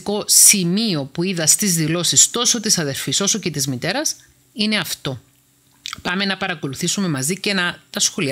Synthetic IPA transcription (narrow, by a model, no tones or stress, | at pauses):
ko̞simio̞puiðɐst̪izðilo̞sist̪o̞so̞t̪isɐðe̞ɾfiso̞so̞ce̞t̪izmit̪e̞ɾɐs | ine̞ɐft̪o̞ | pɐme̞nɐpɐɾɐko̞luθisume̞mɐzicenɐt̪ɐsxo̞li